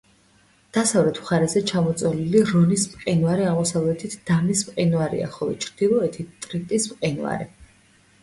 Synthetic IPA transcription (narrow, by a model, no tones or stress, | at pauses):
d̪̥asavlɛt̪ʰu̥χaɾɛzɛt͡ʃʰamɔt̪sʼwaliliɾɔnismqʼinwaɾiaʁmɔsavlɛt̪ʰit̪ʰd̪̥amismqʼinuaɾḭa̰χɔlˠɔ̰t͡ʃʰɾd̪̥ilˠɔɛt̪ʰit̪ʼɾit̪ʼismqʼinwa̰ɾi